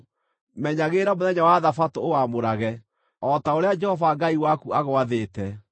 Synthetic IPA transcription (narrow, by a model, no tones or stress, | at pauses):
mɛɲaɣeːɾamoðɛɲawaðafatoowamoɾaɣɛ | ɔtaoɾead͡ʒɛhɔvaɡaiwakuaɣowaðeːtɛ